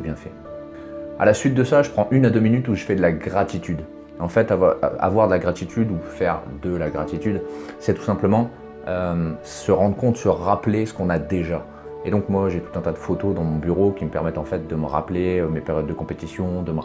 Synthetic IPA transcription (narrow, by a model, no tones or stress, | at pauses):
bjɛ̃fɛ | a̰lasɥit̪̚d̪əsaʒəpχɑ̃ʔynad̪øminyt̪uʒəfɛd̪əlaɡʁat̪it̪yd̪ | ɑ̃fɛt̪avaa̰vwaʁd̪əlaɡʁat̪it̪ʰyd̪ufɛʁd̪əlaɡʁat̪it̪yd̪sɛt̪u̥sɛ̃pləmɑ̃ | øm | səʁɑ̃d̪ʁəkɔ̃t̪səʁaplesə̥kɔ̃nad̪eʒa | ed̪ɔ̃kmwaʒet̪u̥t̪ɛ̃t̪ad̪əfot̪od̪ɑ̃mɔ̃byʁokʲiməpɛʁmɛt̪ɑ̃fɛt̪̚d̪əməʁa̰pleømepeʁjɔd̪ːəkɔ̃pet̪isjɔ̃d̪əm